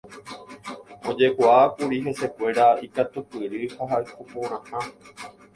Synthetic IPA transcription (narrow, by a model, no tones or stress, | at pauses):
od͡ʒe̞kʷaakuɾiɦe̞se̞kwe̞ɾaikat̪upɨɾɨhoɦajkupoɾ̃ãhã